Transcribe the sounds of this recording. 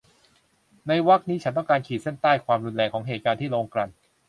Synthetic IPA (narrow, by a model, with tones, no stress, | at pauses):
na˧jwa˦˥k̚niː˦˥t͡ɕʰa˦˥nt̪ɔ˥˩ŋkaː˧nkʰiː˨˩se˥˩nt̪aː˥˩jkʰwaː˧mɾuː˧nlɛː˧kʰːɔː˩˦ŋɦeː˨˩t̪̚kaː˧nt̪ʰiː˥˩loː˧ŋkɾa˧˩n